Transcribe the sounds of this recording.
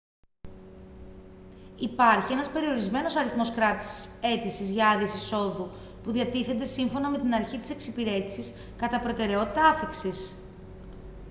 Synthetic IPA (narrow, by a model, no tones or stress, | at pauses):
ipɐɾçienɐspe̞ɾio̞ɾizme̞no̞sɐɾiθmo̞skɾɐt̪i̥si̥se̞t̪isizʝɐɐðiesiso̞ðu | puðiɐt̪iθend̪e̞siɱfo̞nɐme̞t̪inɐɾçit̪i̥se̞ksipiɾe̞t̪isis | kɐt̪ɐpɾo̞t̪e̞ɾe̞ot̪i̥t̪ɐɐfiksis